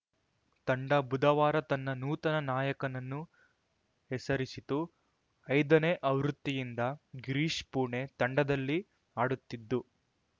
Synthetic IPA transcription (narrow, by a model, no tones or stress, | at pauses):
t̪ɐɳɖɐbud̪ɐʋaːɾɐt̪ɐnːɐnuːt̪ɐnɐnaːjɐkɐnɐnːu | hɛsɐɾisit̪u | ɐjd̪ɐneːʔɐʋɾut̪ːijind̪ɐɡɾiːʂpuːɾɳe̞t̪ɐɳɖɐd̪ɐlːi | aːɽut̪ːid̪ːu